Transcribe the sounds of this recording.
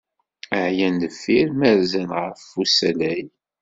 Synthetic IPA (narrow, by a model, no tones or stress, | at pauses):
əʕjændəfːiɾmæɾzænʁəfːusælæj